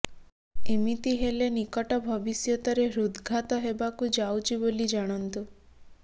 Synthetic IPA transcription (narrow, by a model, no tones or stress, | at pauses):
imit̪iɦelenikɔʈɔbʱɔbisjɔt̪ɔɾeɾud̪ɡʱat̪ɔɦebakud͡ʒawt͡ʃibolid͡ʒaɽ̃ɔnt̪u